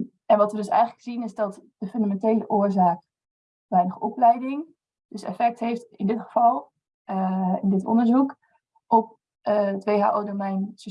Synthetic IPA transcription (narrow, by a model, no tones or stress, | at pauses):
ɛnʋɑtʋədɵsɛ̰jχələkz̥inɪzdɔtd̥əfɵndamɛntejləʔʊːɹzaːk | ʋɛjnəχɔplɛjdɪŋ | d̥øsɛ̰fɛk̚tɦejftɪndɪtχə̥v̥ɑlˠ | ɪndɪtɔ̰ndəɹzuk | ʔɔp̚ | tʋejɦa̰ːʔowdomɛjns